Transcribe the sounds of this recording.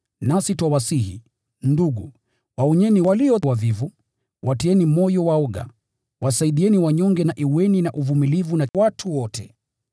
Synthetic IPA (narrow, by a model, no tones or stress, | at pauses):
nasitwawasihḭ | nduɡu | waɔɲɛniwaliɔwavivu | wʔatiɛnimɔjɔwaɔɠa̰ | wasaiɗiɛniwaɲɔŋɡɛnaʔiuwɛninaʔuvumilivunawatʰuwɔtʰɛ̰